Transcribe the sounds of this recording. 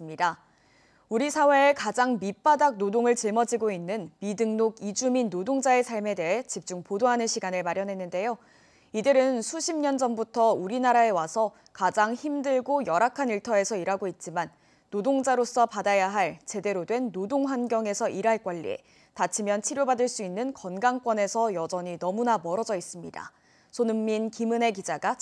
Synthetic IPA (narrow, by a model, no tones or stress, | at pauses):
mɲida | uɾisʰawe̞ːkad͡ʑaŋmip͈adak̚nodoŋɯɭt͡ɕimʌd͡ʑiɡoinːɯnmidɯŋnoɡid͡ʑuminːodoŋd͡ʑae̞sʰaɭme̞de̞ɦet͡ɕip̚t͡ɕ͈uŋpodoɦanɯnɕʰiɡanɯɭmaɾjʌnɦe̞nːɯnde̞jo | idɯɾɯnsʰuɕʰimɲʌnd͡ʑʌnbutʰʌuɾinaɾae̞wasʰʌ | kad͡ʑaŋçimdɯɭɡojʌɾakʰaniɭtʰʌe̞sʰʌiɾaɡoit̚t͡ɕ͈imanː | odoŋd͡ʑaɾos͈ʌpadajaɦaɭt͡ɕe̞de̞ɾodwe̞nːodoŋɸwanɡjʌŋe̞sʰʌʔiɾaɭk͈waʎːḭe̞̰ | tat͡ɕʰimjʌnt͡ɕʰiɾjobadɯɭs͈uinːɯnkʌnɡaŋk͈wʌne̞sʰʌjʌd͡ʑʌɲinʌmunamʌɾʌd͡ʑʌis͈ɯmɲida̰ | sʰonɯmːinkimɯne̞kid͡ʑaɡa